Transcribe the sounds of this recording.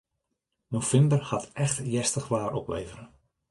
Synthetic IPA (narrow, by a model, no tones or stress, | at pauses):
mofɪndərhatɛxtjɛstəχʋaːɾʔɔpʋḛːvəɾə